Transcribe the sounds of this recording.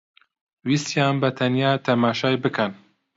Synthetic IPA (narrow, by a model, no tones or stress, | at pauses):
wisjɑːnbɐt̪ʰɐnjaːt̪ʰɐmaːʃaːjbɨkʰɐn